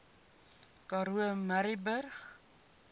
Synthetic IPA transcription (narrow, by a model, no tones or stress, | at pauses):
kɑɾuəmæɾibərχ